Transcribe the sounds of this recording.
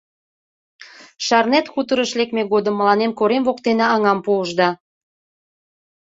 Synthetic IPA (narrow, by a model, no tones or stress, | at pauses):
ʃɑrnet̪xut̪əɾəʃlekmeɣod̪əmːəlɑnemkoɾemvokt̪enɑɑŋɑmpuəʒd̪ɑ